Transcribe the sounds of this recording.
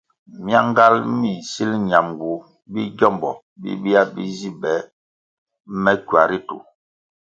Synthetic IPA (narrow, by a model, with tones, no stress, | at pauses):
mi˦a˦ŋ˦ɡa˦lmi˨si˦lɲa˨mɡu˨ | bi˦ɟɔ˦˨mbɔ˨ | bḭ˦ɓi˦a˦bḭ˦zi˦bɛ˨˦ | mɛ˦kwa˨ɾi˦tu˨